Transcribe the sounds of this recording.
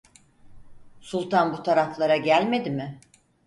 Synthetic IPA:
sulˠt̪ʰanbut̪ʰaɾaflˠaɾaɟælʲme̞d̪imɪ

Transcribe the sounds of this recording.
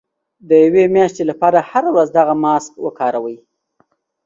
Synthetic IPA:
d̪əjawemjɑʃt̪elapɑɾahaɾawɾazd̪aɣamɑskwəkɑɾawəj

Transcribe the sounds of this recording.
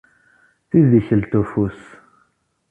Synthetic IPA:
θiðiçəlt̪ufus

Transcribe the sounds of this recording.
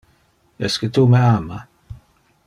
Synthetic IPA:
ɛskət̪umeaːma

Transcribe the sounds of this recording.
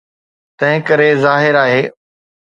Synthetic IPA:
t̪ɐ̃ɦɪ̃kɐɾezaːɦɪɾaːɦeː

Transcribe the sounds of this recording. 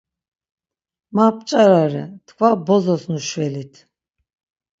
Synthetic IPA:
map̚ʼt͡ʃʼaɾaɾɛ̰t̪ʰkʰvabɔzɔsnuʃwɛlit̪ʰ

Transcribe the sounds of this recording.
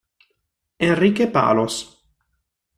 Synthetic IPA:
enriːkepa̰ːlos

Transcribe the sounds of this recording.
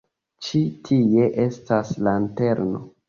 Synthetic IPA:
t͡ʃitʰie̞ʔe̞staslante̞ɾno̰

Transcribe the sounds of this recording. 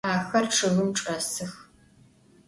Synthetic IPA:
aːxɐrʈ͡ʂʰɨɣɨmʈ͡ʂʼɐsɨx

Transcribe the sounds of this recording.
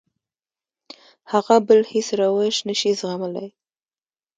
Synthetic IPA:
haɣabəlhesɾawəʃnəʃizɣaməla̰j

